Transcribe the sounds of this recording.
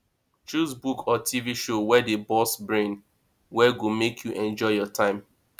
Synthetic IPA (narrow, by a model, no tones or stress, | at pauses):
t͡ʃusbukʰɔtʰiviʃowɛdebɔsbɹẽn | wɛɡomekʰjuʔɛ̃nd͡ʒɔɪjɔtʰãɪ̃m